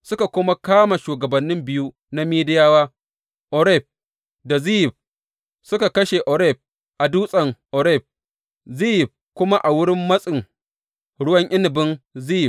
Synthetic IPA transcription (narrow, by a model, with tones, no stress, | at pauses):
sʊ˦ka˨kʷʊ˦ma˦kaː˦ma˨ʃuː˨ɡɐ˨bɐ˨nːɪ˦mbɪ˦ju˦ | na˦miː˦dɪ˦jaː˦waː˦ | ʔɔ˨ɾɛ˦˨p̚ | da˨zi˦jɪ˨b̚ | sʊ˦ka˨kɐ˦ʃe˨ʔɔ˨ɾɛ˦˨ɸ̚ | ʔa˨duː˦sʼɐ˨ŋʔɔ˨ɾɛ˦˨p̚ | zi˦jɪ˨b̚kʷʊ˦ma˦ʔa˨wʊ˦ɽɪ˦mːɐ˦sʼɪ˨ŋ | ɽʊ˦wɐ˦ɲʔɪ˦nɪ˨bɪ˦nzi˦jɪ˨b